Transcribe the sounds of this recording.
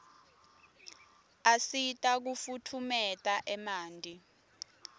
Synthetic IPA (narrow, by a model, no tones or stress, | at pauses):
asitʼak̬ufutʰumɛtʼaʔɛmaːndʱi